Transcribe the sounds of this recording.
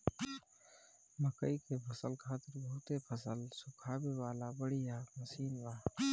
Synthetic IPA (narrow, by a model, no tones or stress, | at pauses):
məkəikepʰəsəlkʰaːt̪ɪɾbʱɐɦʊt̪epʰəsəlsʊkʰaːbewaːlabəɽijaməsiːnbaː